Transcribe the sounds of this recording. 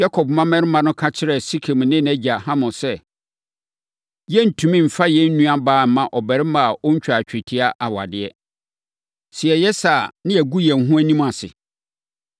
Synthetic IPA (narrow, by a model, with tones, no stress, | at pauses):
ja˦kʰɔ˨bmã˦mɛ̃˦nɪ˦mã˨nʊ̃˦kʰa˦t͡ɕʰɪ˦ɾɛ˨si˦kʰe˨m̃˨nɪ̃˦næ˦d͡ʑa˨hã˦mʊ̃˨sɛ˦ | jɛ˦n̩˨tʰũ˨mĩ˦m̩˨fa˦jɛ˦n̩˦nũ˦a˦baː˨˦˨mã˨ʔɔ˨bɛ˨ɾɪ˦mã˨ʔɔ˦ɲ̩˦t͡ɕᶣa˨t͡ɕᶣɪ˨tʰɪ˦a˦ʔa˨wa̰˨dɪ˨ɛ˦ | sɪ˨ɛ˨jɛ˦sa˨nɪ̃˦ɛ˨ɡu˦jɛ̃˨n˨ɦũ˦æ˦nĩ˦mã˨sɪ̰˨